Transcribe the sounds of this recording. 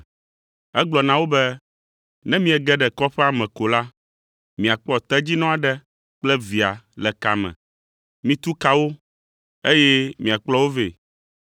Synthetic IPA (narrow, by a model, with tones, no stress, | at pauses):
ɛ˦ɡ͡blɔ˨nã˦wo˦bɛ˦ | nɛ̃˦mĩ˦ɛ˨ɡɛ˦ɖɛ˨kɔ˦ɸɛ˦a˨mɛ̃˨ko˨la˦ | mĩ˨a˨k͡pɔ˦t̪ɛ˦d͡ʑi˦nɔ̃˦a˨ɖɛ˦ | k͡plɛ˦vi˨a˨lɛ˨ka̰˨mɛ̰̃˨ | mĩ˦t̪u˦ka˦wo˦ | e˦jɛ˦mĩ˨a˨k͡plɔ˦wo˦vḛ˨